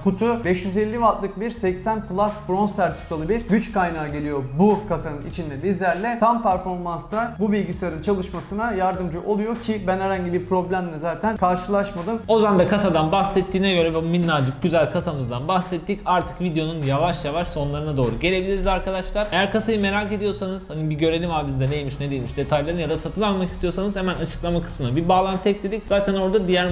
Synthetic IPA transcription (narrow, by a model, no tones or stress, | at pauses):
kʰut̪ʰubɛʃjyze̞lʲːivat̪lˠɯk̚biɾsɛcsænplˠasbɾo̞nst̪æɾt̪ʰi̥kalˠɯbiɾɟyt͡ʃkajnaːɟe̞lʲijo̞bukʰasanɯnḭt͡ʃʰind̪ɛbizlʲæɾlʲɛt̪ʰampæɾfo̞ɾmanst̪abubilʲɟisaaɾɯnt͡ʃʰalˠɯʃmasɯnajaɾd̪ɯmd͡ʒɯʔo̞lˠujo̞cʰɪbænhɛɾaɲɟibiɾpɾo̞blʲæmd̪ɛzaːt̪ʰænkʰaɾʃɯlˠaʃmad̪ɯmo̞zand̪akʰasad̪anbaxsɛt̪ːiːnɛɟø̞ɾɛvɛuminːaɾd̪ɯɟyzælʲkʰasamɯzd̪anbaxsɛt̪ːicaɾt̪ʰɯ̥kvid̪ejo̞nunjavaʃjavaʃso̞nlˠaɾɯnad̪o̞ːɾuɟe̞lʲe̞bilʲiɾizʲaɾkʰad̪aʃlˠaɾejæɾkʰasajɯme̞ɾake̞d̪ijo̞ɾsanɯz̥hanibiɟø̞ɾe̞lʲimvaɾbizd̪ɛd̪ejlʲmiʃned̪ejlʲmiʃd̪e̞t̪ʰajlˠaɾɯnjad̪asat̪ʰɯnalˠmakist̪ijo̞ɾs̬anɯz̥hemænat͡ʃʰɯ̥klˠamakʰɯ̥smɯnabiɾbaːlˠant̪ʰːɛclʲed̪icz̥aːt̪ʰæno̞ɾd̪ad̪ijæɾ